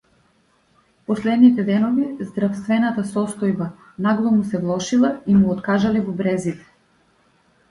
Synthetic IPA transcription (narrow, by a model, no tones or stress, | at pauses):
pɔslɛd̪nit̪ɛd̪ɛnɔvizd̪ɾafst̪vɛnat̪asɔst̪ɔjba | naɡlˠɔmusɛvlˠɔʃilˠaimuɔt̪kaʒalɛvɔbɾɛzit̪ɛ̥